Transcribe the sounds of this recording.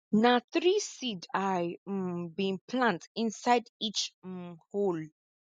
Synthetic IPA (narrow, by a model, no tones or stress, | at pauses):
naθɹisidajbĩnpʰlãntĩnsaɪdit͡ʃhol